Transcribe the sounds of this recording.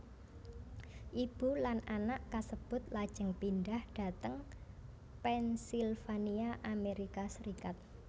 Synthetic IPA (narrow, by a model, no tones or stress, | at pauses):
ʔib̥ṳlananaʔkasəb̥ʊ̤t̪̚lad̥ʒ̥ə̤ŋpindahɖ̥a̤t̪əŋ | pɛnsilfaniaʔameɾikasəɾikat̪̚